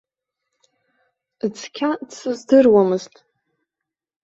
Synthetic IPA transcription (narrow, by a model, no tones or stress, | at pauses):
ɨt͡sʰʼkʲʰat͡sʰɨzdɨrwamɨztʼ